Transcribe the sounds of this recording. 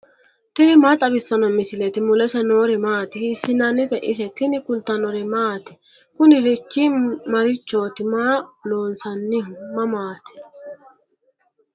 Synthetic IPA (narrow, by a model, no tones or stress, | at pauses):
t̪ɪnɪmaːt̪ʼɐbɪsːɐnɔmɪsɪlɛt̪ɪmʊlɛsɛnoːɾɪmaːt̪ɪhɪsɪnɐnɪt̪ɛʔɪs̬ɛt̪ɪnɪkʊlt̪ɐnɔɾɪmaːt̪ɪ̥ | kʊnɪɾɪt͡ʃːimɐɾɪt͡ʃːoːt̪ɪmaːloːnsɐnːɪmɐmaːt̪ɪ̥